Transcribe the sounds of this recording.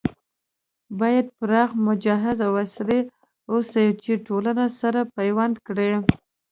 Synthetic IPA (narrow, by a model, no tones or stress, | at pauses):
bɑjad̪̚pɾɑxmʊd͡ʒɑɦɪzawasle | osajt͡ʃeʈolanasaɾapajwand̪kɽe